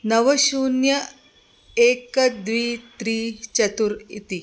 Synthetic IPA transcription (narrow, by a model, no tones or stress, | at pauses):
nɐʋɐɕuːnjɐ | eːkɐd̪ʋiːt̪ɾiːt͡ʃɐt̪uɾḭt̪i